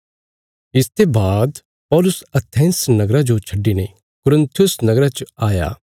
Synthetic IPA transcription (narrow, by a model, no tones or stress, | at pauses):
ɪst̪ebaːd̪ | pɔːlʊsɐt̪ʰẽːnsnɐɡɾad͡ʒot͡ʃʰɐɖːine | kʊɾə̃nt̪ʰijʊsnɐɡɾat͡ʃaːja̰ː